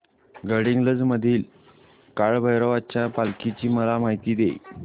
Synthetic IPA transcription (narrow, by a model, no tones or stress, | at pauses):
ɡəɽiŋɡləd͡zməd̪ʱiːl | kaɭbʱəjɾəʋat͡ɕjapalkit͡ɕiːməlamaɦit̪iːd̪ḛj